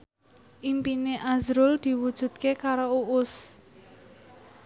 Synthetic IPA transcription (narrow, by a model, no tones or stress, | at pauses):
ʔimpineʔazɾʊld̪̥i̤wud̥ʒ̥ṳt̪̚kekaɾouʔʊs